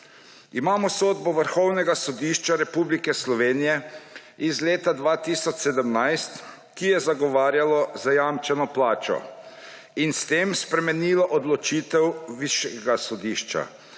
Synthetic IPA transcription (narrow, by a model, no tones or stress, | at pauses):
imaːmɔsoːd̪bɔʋəɾxɔwnɛɡasɔd̪iːʃt͡ʃaɾɛpublikɛslɔʋeːnijɛ | izleːt̪ad̪ʋaːt̪isɔt͡ʃsɛd̪əmnajst̪ | kijɛzaɡɔʋaːɾjalɔzajamt͡ʃɛnɔplaːt͡ʃɔ̰ | inst̪eːmspɾɛmɛniːlɔʔɔd̪lɔt͡ʃiːt̪ɛwʋiʃjɛɡasɔd̪iʃt͡ʃa̰